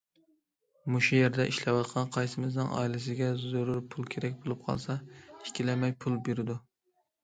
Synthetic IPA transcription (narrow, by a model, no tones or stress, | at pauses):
muʃujeɾd̪ɛʔiʃlɛwɑt̪̚qʰɑnqʰɑjsɪmɪznɨ̰ŋɑ̰ilɪs̬ɪɡʲɛzoɾuɾpʰulˠkʲʰeɾɛk̚ʲbolˠup̚qʰɑ̰lˠsɑi̥kʲʰilɛmɛjpʰulˠbeɾɪd̪u